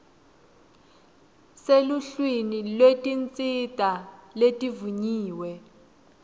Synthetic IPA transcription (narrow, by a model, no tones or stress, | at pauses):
seluɬwinilwetʼint͡sʼitʼaletʼivuɲiːwɛ